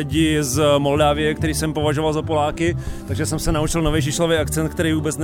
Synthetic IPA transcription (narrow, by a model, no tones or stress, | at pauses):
ɪɟɪzmo̞ldaːvɪjɛkt̪ɛɾiːsɛmpovaʒovalzapolaːkɪt̪aɡʒɛsɛmsɛnaut͡ʃɪlnovɛjʒɪʃlovɛjʔakt͡sɛnt̪kt̪ɛɾiːvuːbɛt͡sn